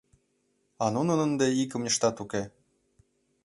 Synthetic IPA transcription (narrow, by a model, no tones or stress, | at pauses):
ɑnunə̆nə̆nd̪eikə̆mjə̆ʃt̪ɑt̪uke